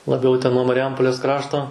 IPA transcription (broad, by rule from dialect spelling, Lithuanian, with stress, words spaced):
lˠɐˈbʲɛʊ tʲɛn nuɔ mɐrʲɪˈjɛmpoːlʲeːs ˈkrɑːʃtoː